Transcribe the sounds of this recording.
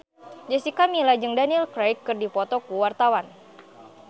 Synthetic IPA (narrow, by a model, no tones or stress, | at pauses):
d͡ʒɛsikamilad͡ʒɨŋdanilkɾajkːɨrdipɔt̪ɔkuwart̪awan